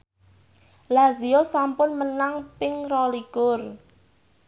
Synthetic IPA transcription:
laziosampʊnmənaŋpɪŋrɔliɡ̥ʊr

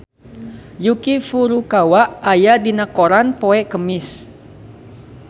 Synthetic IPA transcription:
jukifuɾukawaʔajadinakoɾanpoɛʔkəmɪs

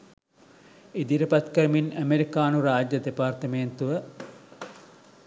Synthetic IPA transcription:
id̪iɾəpat̪kəɾəminæmeɾikaːnuɾaːd͡ʒjɐd̪epaːrt̪əment̪uʋə

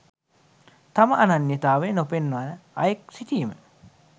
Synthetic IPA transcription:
t̪aməʔananːit̪aːʋenopenːanəɐjek̚sit̪iːmə

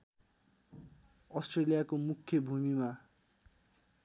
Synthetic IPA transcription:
ʌsʈrelijakomukʰjʌbʱumima

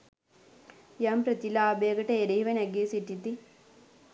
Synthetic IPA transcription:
jampɾɐt̪ilaːbeɡɐʈɐeɾeɦiʋɐnɛɡisiʈːit̪i

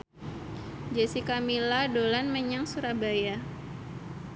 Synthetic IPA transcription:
d͡ʒasikamiladolanməɲaŋsuɾabaja

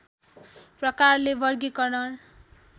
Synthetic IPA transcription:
prʌkarlebʌrɡikʌnʌn

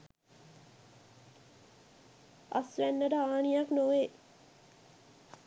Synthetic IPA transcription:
a̰sʋænːəʈəaːnijaknoʋe

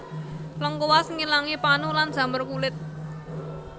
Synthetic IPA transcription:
ləŋkowasŋilaŋipanulan̥ʒ̥ä̤mərkulɪt̪̚

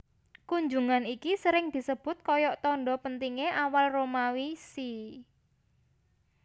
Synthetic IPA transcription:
kuɲd͡ʒuŋanikisəɾɪŋd̪̥i̤səb̥ʊ̤t̪̚kɔjɔʔt̪ɔɳɖɔpənt̪iŋeʔawalromawisi

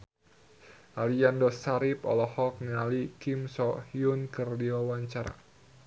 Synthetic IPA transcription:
ʔaliandɔsaɾipɔ̰lɔhɔk̚nialikimsɔhiunkɨrdiwawaɲt͡ʃaɾa̰

